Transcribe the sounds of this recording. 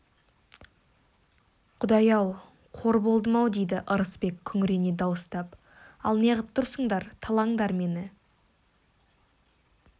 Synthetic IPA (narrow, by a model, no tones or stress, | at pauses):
qʰʊd̪ɑjɑw | qʰo̞ɾbo̞lˠd̪əmɑwd̪e̞jd̪ɪʔəɾəspe̞kʲʰːʏŋɪɾe̞ned̪ɑwəst̪ɑp | ɑ̰lˠneʁəp̚t̪ʰʊɾsəɴd̪ɑɾt̪ʰɑlˠɑɴd̪ɑɾme̞nɪ